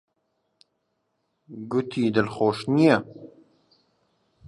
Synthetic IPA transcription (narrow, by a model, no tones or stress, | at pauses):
ɡʊt̪ʰiːd̪əlxoːʃnijɛ